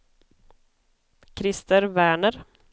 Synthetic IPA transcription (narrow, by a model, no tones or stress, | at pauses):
kʰɾɪst̪əɾvæːɳəɾ